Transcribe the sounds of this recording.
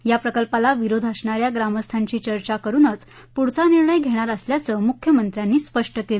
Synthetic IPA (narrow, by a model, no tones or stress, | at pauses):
japɾəkəlpalaʋiɾod̪ʱəsɳaɾjaɡɾaməst̪ʰãɲt͡ɕiːt͡ɕəɾt͡ɕakəɾuːnət͡s | puɽt͡saniɾɳəjɡʱeɽ̃aɾəsljat͡səmukʰjəmənt̪ɾjanːiːspəʂʈəkelə